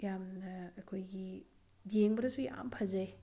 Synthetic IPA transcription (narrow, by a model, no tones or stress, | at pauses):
jamnɐekʰojɡi | bjeŋbɐɾɐsujaa̰mpʰɐzɐj